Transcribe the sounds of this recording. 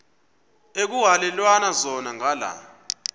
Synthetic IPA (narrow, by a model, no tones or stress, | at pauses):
ek̬uɦalɛlwanazɔnaŋala̰